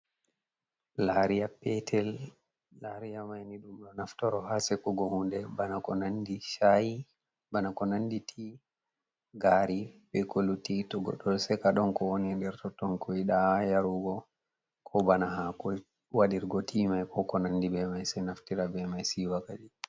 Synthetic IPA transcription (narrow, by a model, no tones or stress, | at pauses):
laɾijapɛtʰɛlː | aɾijamajniɗumɗɔnaftɔɾɔhasɛkɔɡɔhundɛbanakɔnandiʃaji | banakɔnanditʰi | ɡaɾiɓɛkolutitɔɡɔ̰ɗɔlsɛkaɗɔnkɔwonindɛɾtɔtɔnkɔiɗajaɾuɡɔ | kʰɔbanaɦakɔ | waɗiɾɡɔtʰimajkɔkɔnandibɛmajsɛnaftiɾabɛmajsiwakad͡ʒi